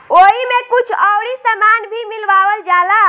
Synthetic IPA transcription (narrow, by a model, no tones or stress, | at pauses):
oɦimekut͡ʃʰɔwɽisəmanbʱimilʋaʋəld͡ʒala